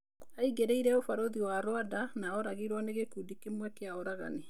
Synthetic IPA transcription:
aiɣeɾeiɾɛofaɾoðiwaɾwadanaɔɾaɣiɾwɔneɣekudikemwɛkeaɔɾaɣa̰ne

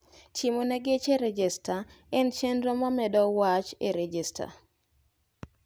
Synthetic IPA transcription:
tɪmonɛɡet͡ʃeɾɛd͡ʒɛstaɛnt͡ʃendɾomamɛdɔwat͡ʃeɾed͡ʒista̰

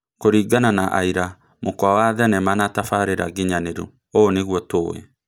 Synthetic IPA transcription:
koɾiːɡananaʔaiɾa | mokwawaðɛnɛmanatafaɾeɾa̰ɡiɲaneɾu | oneɣwɔtoːwɛ̰

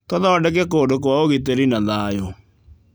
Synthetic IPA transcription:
tɔðɔdɛk̬ɛk̬oːdok̬oaoɣit̬eɾinaðajo

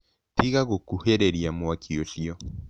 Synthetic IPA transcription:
tiɣaɣokuheɾeɾiamwakʰioʃiɔ

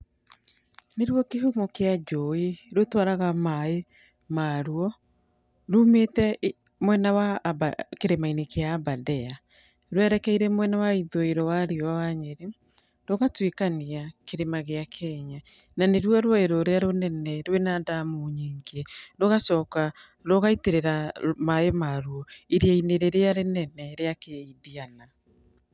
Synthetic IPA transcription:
neɾwɔkeɦumɔkead͡ʒɔiɾotwaɾaɣamae | maɾwɔ | ɾumetɛ | mwɛnawabakeɾemainekeaːbadɛa | ɾwɛɾɛkɛiɾɛmwɛnawaiðoeɾɔwaɾiɔawaɲeɾe | doɣatwekaniakeɾemaɣeakʰɛɲa | naneɾwɔɾwɔeɾoɾeaɾonɛnɛɾwenadamuɲiːŋɡendoɣasɔːka | ɾoɣaiteɾeɾamaemaɾwɔiɾeaineɾeɾeaɾenɛnɛɾeakeidiana

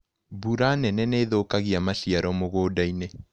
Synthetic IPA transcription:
buɾanɛnɛneːðokaɣiamaʃiaɾɔmoɣoːdaine

